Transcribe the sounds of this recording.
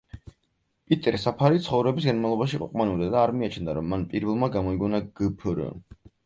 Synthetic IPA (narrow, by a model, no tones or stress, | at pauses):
pʼit̪ʼɛɾsapʰaɾit̪sχɔvɾɛbis̬ɡanmavlˠɔbaʃiqʼṵqʼmanɛvd̪ad̪aːɾmiat͡ʃʰnd̪aɾɔmːanpʼiɾvɛlˠmaɡamɔiɡɔnaɡ̥əpʰəɾə̰